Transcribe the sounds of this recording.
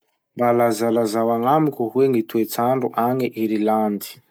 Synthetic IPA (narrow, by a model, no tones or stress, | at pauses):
mbalazalazawaŋamikʲuɦuweŋit̪uet͡saɳɖ͡ʐuʔaŋiʔiɾiland̪i̥